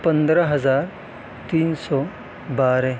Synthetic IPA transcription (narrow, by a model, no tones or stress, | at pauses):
pɐ̃nd̪ɾaɦɐzaːɾ | t̪iːnsɔː | baːɾe